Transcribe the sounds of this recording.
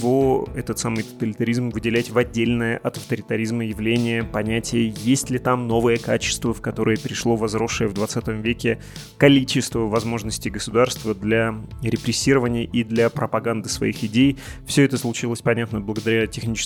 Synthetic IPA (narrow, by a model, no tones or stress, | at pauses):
voɛt̪ət̪samɨjt̪ə̥t̪əlʲɪt̪ɐɾʲizmvɨdʲɪlʲætʲvɐdʲːelʲnəjəʔɐt̪ɐft̪əɾʲɪt̪ɐɾʲizməjɪvlʲenʲɪjəpɐnʲætʲɪjəjesʲtʲlʲɪt̪amno̞vəjəkat͡ɕɪ̥st̪vəfkɐt̪o̞ɾəjəpʲɪɾʲɪʂlˠo̞vɐzɾo̞ʂːəjəvd̪vɐt̪sat̪əmvʲekʲɪ | kɐlʲit͡ɕɪst̪vəvɐzmo̞ʐnəsʲtʲɪjɡəsʊd̪arst̪vəd̪lʲaɾʲɪpɾʲɪsʲːiɾəvənʲɪjəʔid̪lʲɐpɾəpɐɡand̪ɨsvɐ̰ixɪdʲejfsʲɵɛt̪əslˠʊt͡ɕilˠəsʲpɐnʲat̪nəblˠəɡəd̪ɐɾʲætʲɪxnʲit͡ɕɪ̥